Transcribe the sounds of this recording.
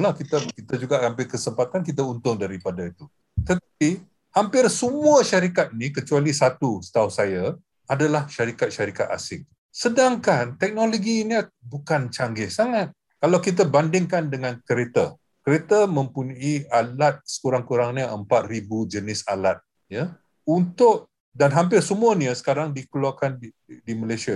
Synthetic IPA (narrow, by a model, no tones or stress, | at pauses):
lakit̪akit̪ad͡ʒuɡaʔhampɪkəsəmpat̪ankit̪̬aunt̪ʊŋdaɾipadait̪u | t̪ət̪api | hampɪrsəmuaʃaɾikat̪̚nikət͡ʃualisat̪usə̥t̪ausaja | adalahʃaɾikat̪̚ʃaɾikat̪a̰sɪŋ | sədaŋkant̪ɛk̚noloɡiɲəbukant͡ʃaŋɡɪhsaŋat̪̚ | kalawkit̪̬abandɪŋkandəŋankəɾet̪a | kəɾet̪amə̃mpuɲaialat̪̚sə̥kuɾaŋkuɾaŋɲəʔəmpat̪̚ribud͡ʒənɪsalat̪̚ | ja | unt̪ʊʔ̚ | danɦampɪrsəmũaniəsə̥kaɾaŋdikəluakan | diməlesia